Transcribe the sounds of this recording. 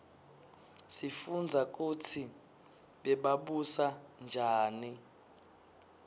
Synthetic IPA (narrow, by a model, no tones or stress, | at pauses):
sifund͡zʱak̬ʼutʰi | ɓɛɓaɓusand͡ʒʱaːni